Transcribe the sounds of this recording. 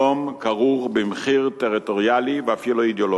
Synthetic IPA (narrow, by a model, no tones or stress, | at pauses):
omkaʁuʁbimχiʁt̪eʁit̪oʁjaliveafiluid̪jolo